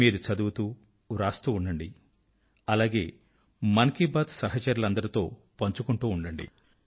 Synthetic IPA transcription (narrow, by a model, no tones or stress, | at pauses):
iːɾut͡ʃɐd̪uʋut̪uː | ɾaːst̪uːɳɖɐɳɖi | ɐlaːɡe̞ː | mɐnɐkibaːt̪sɐɦɐt͡ʃɐɾulɐnd̪ɐɾɐt̪o̞ː | pɐɲt͡ʃukuɳʈuːɳɖɐɳɖḭ